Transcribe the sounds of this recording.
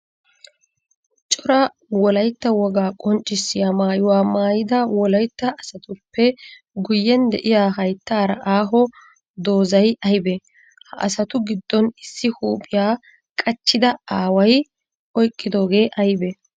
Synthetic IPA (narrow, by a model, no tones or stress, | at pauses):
t͡ʃʼɔɾɐ | wɔlɐjt̪ːɐwɔɡaːkʼɔnt͡ʃʼːɪsːɪjaːmaːjʊwaːmaːjɪd̪ɐwɔlɐjt̪ːɐʔɐsɐt̪ʊpːɛ | ɡʊjːɛnd̪ɛ̰ʔɪjaːɦɐjt̪ːaːɾɐʔaːɦɔ | d̪o̞ːzɐjɐjbɛ | hɐʔɐ̰sɐt̪ʊɡɪd̪ːɔnɪsːɪhuːpʼːɪjaː | kʼɐt͡ʃːɪd̪ɐaːwɐj | ʔɔjkʼːɪd̪o̞ːɡe̞ːʔɐjbɛ